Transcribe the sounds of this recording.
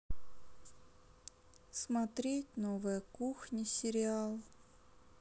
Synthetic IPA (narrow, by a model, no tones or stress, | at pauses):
smat̪ɾʲetʲnovɨjəkuxnʲɪsʲɪɾʲɪalˠ